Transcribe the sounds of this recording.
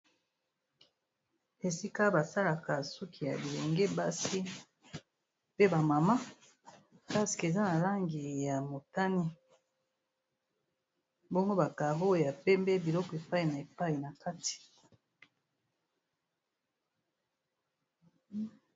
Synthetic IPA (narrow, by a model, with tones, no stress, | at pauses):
e˨si˦ka˦ba˨sa˦la˨ka˨su˦kʰi˨ja̰˨bi˨le˨ŋɡe˦ba˦si˦ | pe˦ba˨ma˨ma˦ | ka˦si̥˨ke˨za˦na˨la˦ŋɡi˨ja˨mo˨ta˦ni˦ | bo˦ŋɡo˦ba˨ka˨ɣo˦˨ja˨pɛ˦mbɛ˦bi˨lɔ˦kɔ˨e˨pa˦i˨na˨e˨pa˦i˨na˨ka˦ti̥˨